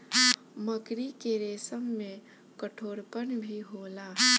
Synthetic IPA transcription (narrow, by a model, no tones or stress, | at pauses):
məkɾikeɾeːsəmːẽ | kəʈʰoːɾpənbʱiɦoːla